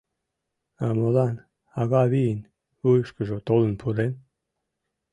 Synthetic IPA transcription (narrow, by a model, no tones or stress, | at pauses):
amolan | aɣaβin | ujʃkəʒot̪olənpʰuɾen